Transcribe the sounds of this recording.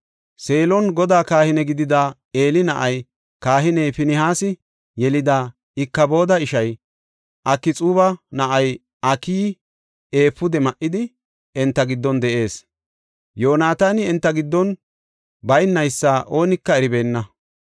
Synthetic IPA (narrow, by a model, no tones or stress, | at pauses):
se̞ːlɔnɡɔd̪aːkaːhɪnɛɡɪd̪ɪd̪aː | e̞ːlɪnɐʔɐj | kaːɦɪnɛjpɪnɪhaːsɪ | jɛlɪd̪aː | ɪkːɐbo̞ːd̪ɐɪʃɐj | ʔɐkːɪt͡sʼuːbɐnɐʔɐj | ɐkiː | e̞ːpːʊd̪ɛmɐʔːɪd̪ɪ | ɛnt̪ːɐɡɪd̪ːɔnd̪ɛʔe̞ːs | jo̞ːnaːt̪aːnɪɛnt̪ːɐɡɪd̪ːɔn | bɐjnːɐjsːaːʔo̞ːnɪkːɐɛɾɪbe̞ːnːɐ